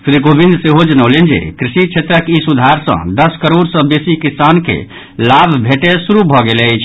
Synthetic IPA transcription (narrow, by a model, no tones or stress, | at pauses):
sɾikobind̪seɦod͡ʒənəlend͡ʒḛkɾisit͡ʃʰet̪ɾəkisud̪ʱaɾsə̰̃d̪əskəɾoɖsə̃besikisankḛ | labʱbʱeʈesuɾubʱɔɡelt͡ʃʰ